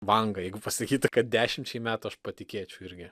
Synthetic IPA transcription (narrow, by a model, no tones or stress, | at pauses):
ʋɐŋɡɐjɛɪɡʊpɐsɐkʲiːt̪ʊkɐt̪̚d̪ʲæːʃʲɪmʲt͡ʃʲɛɪmʲæːt̪ʊɐʃpɐt̪ʲɪkʲeːt͡ʃʲɛʊɪɾʲɡʲɪ